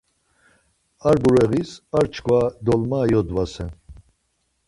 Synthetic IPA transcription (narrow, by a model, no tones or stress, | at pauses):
aɾbuɾɛɣisaɾt͡ʃʰkʰvad̪ɔlmaːjɔd̪vasɛn